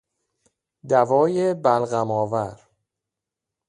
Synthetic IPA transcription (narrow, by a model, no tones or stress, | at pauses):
d̪ævɒːjebælɣæmɒːvæɾ